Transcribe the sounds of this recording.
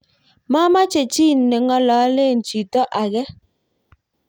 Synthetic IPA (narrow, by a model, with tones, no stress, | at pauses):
ma˦ma˦t͡ʃe˨t͡ʃi˦n̩˨ne˨ŋɔ˦lɔ˨˦le˦˨n̩˨t͡ʃi˨tɔ˦ʔa˨ɣɛ˦